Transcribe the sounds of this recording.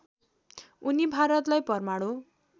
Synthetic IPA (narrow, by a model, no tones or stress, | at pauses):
unibʱaɾʌt̪lajpʌrmaɽo